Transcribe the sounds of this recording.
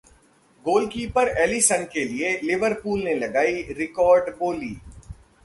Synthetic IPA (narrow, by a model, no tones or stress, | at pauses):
ɡoːlkiːpəɾɛːlisənkelielɪʋəɾpuːlnelɐɡaːiɾɪkɔːɾɖboːlḭː